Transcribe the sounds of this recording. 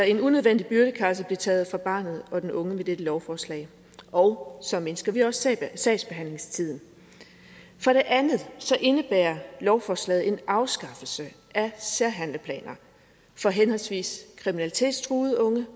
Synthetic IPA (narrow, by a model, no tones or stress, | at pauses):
d̥æe̝nunøðˠʋen̰d̥ib̥yɐɾ̥əkʰæ̈səb̥liɐt͡sʰɛːð̞̩ˠfʁɑ̈b̥ɑ̈ːnð̞̩ˠɒ̽d̥enʔɔ̽ŋəmed̥ed̥əlɒʊfɒːslɛ̰ɪ | ʔɒ̽ʊsɒ̽me̝nsɡ̥ɐʋiɒ̽ssɛɪ̥sb̥e̝ɦæn̰le̝ŋst͡sʰið̰ˠn̩ | fɒɾ̥e̝ʔænð̩ˠsɒ̽ʔe̝nəb̥æ̰ːɐlɒʊfɒːslɛ̰ːð̞̩ˠe̝nʔɑ̈ʊsɡ̥ɑ̈fl̩sə | æsæɐ̰ɦæn̰ləpʰlɛ̰ːnɐ | fɒ̽ɦenhɒ̽lsʋḭːskʰʁiminælit͡sʰe̝̰ːd̥st͡sʰʁuːð̩ˠɔ̽ŋə